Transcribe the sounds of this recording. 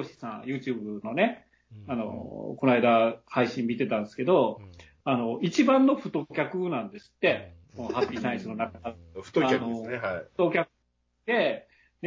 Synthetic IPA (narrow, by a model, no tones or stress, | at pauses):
oɕi̥sã̰jɯ̟ːt͡ɕɨːbɯ̟no̞ne̞ | ano̞̰ko̞naid̪ahaiɕĩmmʲːit̪e̞t̪ãnd̪sɨ̥ke̞d̪o̞ | ano̞it͡ɕibãnːo̞ɸɯ̟t̪o̞kʲakɯnãnd̪e̞sɨ̥t̪ːe̞konohapʲːiːsãĩsɨno̞nakaaɾɯ̥t̪oanoaɯ̥t̪o̞kʲakɯ | d̪e̞ | d̪